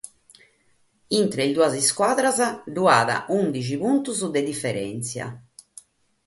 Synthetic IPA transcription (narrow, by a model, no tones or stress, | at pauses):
int̪ɾeild̪uaziskwaːðɾazaɖuaːða̰ʔund̪it͡ʃipunt̪uzud̪ed̪ifːɛɾɛ̰nt̪sja̰